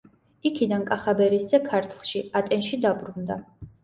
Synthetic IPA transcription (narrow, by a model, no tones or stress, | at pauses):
ikʰid̪ankʼaχabɛɾiszɛkʰaɾt̪ʰlˠʃiat̪ʼɛnʃid̪abɾund̪a̰